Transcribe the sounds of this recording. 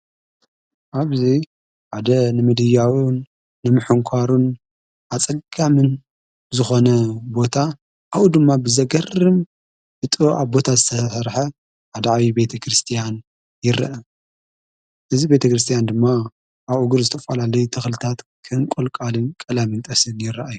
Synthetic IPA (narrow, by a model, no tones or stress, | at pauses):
ʔaβzi | ħad̪ɐnɨmɨd̪ɨjawunː | ɨmɨħɨŋkʷʰaɾun | ʔat͡sʼɐɡʼamɨn | zɨxo̞nɐbo̞t̪ʰa | ʔawud̪ɨmːabɨzɐɡɐrɨm | bɨt̪ʼɨɾoʔaβbo̞t̪ʰazɨt̪ʰɐsɐɾħɐ | ħad̪aʕβibe̞t̪ʰɐkɾɨst̪ʰijan | jɪɾɐ̰ʔɐ | ʔɨzibe̞t̪ʰɐkɾɨst̪ʰijand̪ɨmːa | ʔaβuɡuɾzɨt̪ʰɐfalalɐjut̪ʰɨxlɨt̪ʰat̪kʰɨnkʼolkʼalɨnkʼɐlamɨnt̪ʼɐsɨnjɪɾːɐʔajːu